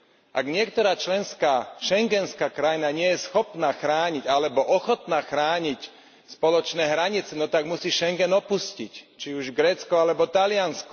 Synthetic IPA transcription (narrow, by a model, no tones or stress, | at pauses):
ʔaɡɲɪɛkt̪ɔɾaːt͡ʃlɛnskaːʃɛŋɡɛnskaːkɾajnaɲɪɛjɛsxɔpnaːxɾaːɲiɟalɛbɔʔɔxɔt̪naːxɾaːɲic | spɔlɔt͡ʃnɛːɦɾaɲit͡sɛnɔt̪aɡmusiːʃɛŋɡɛnɔpuscḭct͡ʃiuʒɡɾɛːt͡skɔalɛbɔt̪alɪansk